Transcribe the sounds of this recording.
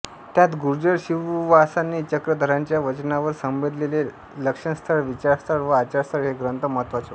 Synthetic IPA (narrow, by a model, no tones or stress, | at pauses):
t̪jat̪ɡuɾd͡ʑəɽɕiʋʋasanːiːt͡ɕəkɾəd̪ʱəɾãɲt͡ɕjaʋət͡ɕnaʋəɾsəmbed̪lele | ləkʂəɳst̪ʰəɭʋit͡ɕaɾst̪ʰəɭʋəat͡ɕaɾst̪ʰəɭɦeɡɾənt̪əməɦət̪ʋat͡so